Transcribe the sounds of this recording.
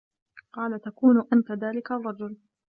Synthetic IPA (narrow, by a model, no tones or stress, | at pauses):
qɑːlat̪akuːnʊʔant̪aðaːlɪkarˤːɑd͡ʒʊl